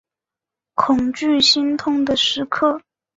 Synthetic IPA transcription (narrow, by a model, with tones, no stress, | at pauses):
kʰʊ˨˩ŋt͡ɕy˥˩ɕi˥nt̪ʰʊ˥ŋd̪ə˨ʂɻ̩˧˥kʰɤ˥˩